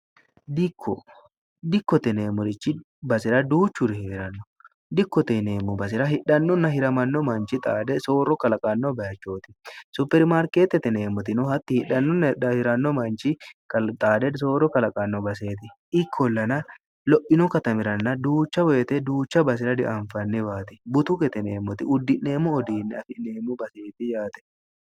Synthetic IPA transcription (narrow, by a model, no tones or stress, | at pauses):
d̪ɪkʰːɔ | d̪ɪkːɔt̪ɛne̞ːmʊɾɪt͡ʃːɪ | bɐsɪɾɐd̪uːt͡ʃːʊɾɪheːɾɐnːɔ | d̪ɪkːɔt̪ɛneːmːʊbɐs̬ɪɾɐhɪᶑɐnːɔnːɐhɪɾɐmɐnːɔmɐnt͡ʃɪt̪ʼaːd̪ɛso̞ːɾɔkɐlɐkʼɐnːɔbɐjɐt͡ʃːoːt̪ɪ̥sʊpːɛɾmaːɾke̞ːt̪ːɛt̪ɛne̞ːmʊt̪ɪnʊhɐt̪ːɪhɪᶑɐnːɔnɐhɪɾɐnːɔmɐnt͡ʃɪkɐt̪ʼaːd̪ɛs̬oːɾɔkɐlɐkʼɐnːɔbɐse̞ːt̪ɪʔɪkʰːɔlːɐnɐ | lɔʔɪnɔkɐt̪ɐmɪɾɐnːɐd̪uːt͡ʃːɐwɔɛt̪ɛd̪uːt͡ʃːɐbɐs̬ɪɾɐd̪ɪʔaɱfɐnːɪbaːt̪ɪ̥bʊt̪ʊkɛt̪ɛneːmːʊt̪ɪʊd̪ːɪʔne̞ːmʊɔd̪iːnːɛɐfɪneːmːʊbɐseːt̪ɪjaːt̪ɛ̥